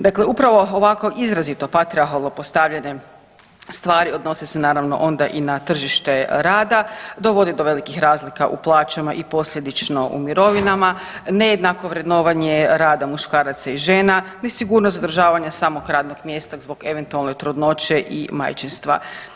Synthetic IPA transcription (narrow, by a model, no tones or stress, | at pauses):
d̪akleupɾaʋo̞oʋako̞ʔizɾazit̪o̞pat̪ɾiaxalˠnopo̞st̪aʋʎaɲe̞ | st̪ʋaːɾio̞d̪no̞sesenaːɾaʋno̞̰ʔo̞nd̪aʔinat̪r̩ʒiʃt̪e̞ɾaːd̪ad̪o̞ʋo̞d̪id̪o̞ʋe̞likixɾaːzlika̰ʔṵplˠaːt͡ʃamaʔipo̞slʎʲe̞d̪it͡ʃno̞ʔṵmiɾo̞ʋinama | nejed̪nako̞ʋɾed̪no̞ːʋaɲe̞ɾaːd̪amuʃkaːɾat̪saiʒeːnanesiɡuːɾnosad̪rʒaːʋaɲasamoɡɾaːd̪noɡmjest̪azboɡe̞ʋe̞nt̪ualˠne̞t̪ɾud̪no̞t͡ɕe̞ʔḭma̰jt͡ʃinst̪ʋa̰